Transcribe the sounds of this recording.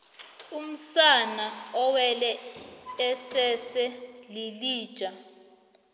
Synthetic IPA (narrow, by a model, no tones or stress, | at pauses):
um̩sanaɔwɛlɛ | ɛsɛsɛliliːd̥t͡ʃʼa